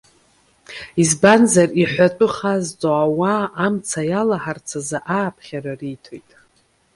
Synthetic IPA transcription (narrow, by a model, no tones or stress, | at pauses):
izbanzariħʷatʷʼɨχazt͡sʼoawaːmt͡sʰajalaħart͡sʰazaʔaːpʰχʲaɾaritʰojtʼ